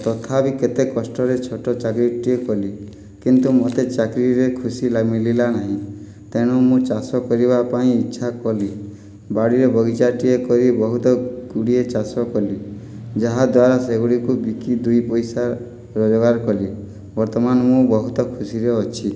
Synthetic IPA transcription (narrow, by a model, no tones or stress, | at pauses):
t̪ɔt̪ʰabiket̪ekɔsʈɔɾet͡ʃʰɔʈɔt͡ʃakɾiʈiekɔli | kint̪umot̪et͡ʃakɾiɾekʰusilamililanaɦĩ | t̪eɽ̃ɔmũt͡ʃasɔkɔɾiβapaĩːtːʃʰakɔli | baɽiɾɔbɔɡit͡ʃaʈiekɔɾibɔɦut̪ɔɡuɽiet͡ʃasɔkɔli | d͡ʒaɦad̪waɾaseɡuɽikubikid̪ujpɔjsa | ɾɔd͡ʒɔɡaɾkɔli | bɔɾt̪ɔmanɔmũbɔɦut̪ɔkʰusiɾeɔt͡ʃʰi